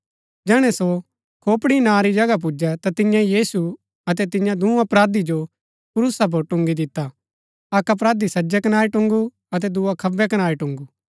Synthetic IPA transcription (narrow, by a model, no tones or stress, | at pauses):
d͡ʒɛːɽ̃ɛso | kʰoːpɽinãːɾid͡ʒɐɡap̬ʊd͡ʒɛt̪at̪ɪjãijiːsu | ɐt̪̬ɛt̪̬ɪ̃jãd̪ũːɐpɾaːd̪id͡ʒo | pʊɾʊsap̬oɾʈʊ̃ŋɡid̪ɪt̪ːa | ɐkɐp̬ɾaːd̪isɐd͡ʒɛkɐnaːɾiʈʊ̃ŋɡu | ɐt̪̬ɛd̪uakʰɐbːɛkɐnaːɾiʈʊ̃ŋɡu